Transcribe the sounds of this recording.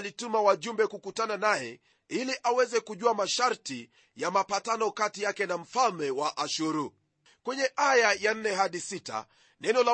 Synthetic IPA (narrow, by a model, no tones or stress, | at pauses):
litumawaʄumbɛkukutananajɛ | iliʔawɛzɛkuʄuamaʃaɾti | jamapatanɔkatijakɛnam̩falmɛwaʔaʃuɾu | kwɛɲɛʔajajan̩nɛɦaɗisita̰ | nɛnɔla